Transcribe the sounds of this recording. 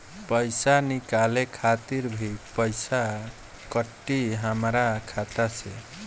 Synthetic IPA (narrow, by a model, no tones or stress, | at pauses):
pəjsanikalekʰat̪iɾbʱipəjsa | kəʈːiɦəmɾakʰat̪at͡ʃʰḛ